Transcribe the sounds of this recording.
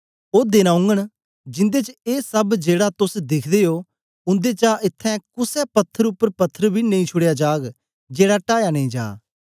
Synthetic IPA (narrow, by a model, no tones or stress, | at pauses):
oːd̪enaːʊ̃ŋɡəɽ̃ | d͡ʒɪ̃nd̪et͡ʃəeːsɐbd͡ʒeːɽat̪ʊsd̪ɪkʰd̪eːɦoː | ʊ̃nd̪et͡ʃaʔɪt̪ʰːɛ̃kʊsɛpɐt̪ʰːəɾʊpːəɾpɐt̪ʰːəɾbʱinɐ̃ĩt͡ʃʰʊɽejad͡ʒaːɡ | d͡ʒeːɽaʈaːjanɐ̃ĩːd͡ʒa̰ː